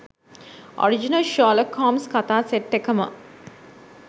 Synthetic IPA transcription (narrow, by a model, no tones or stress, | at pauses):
ɔ̰ɾid͡ʒinɐlʃɔːlɐkʰːɔːmskat̪aːseʈ̪̚ːekəmə̰